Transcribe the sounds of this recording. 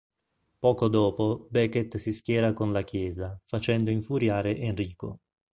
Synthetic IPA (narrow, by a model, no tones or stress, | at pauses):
pɔːkod̪ɔːpobɛket̪siskʲjɛːɾakonlakjɛːzafat͡ʃɛnd̪oiɱfuɾjaːɾeʔenriːko̰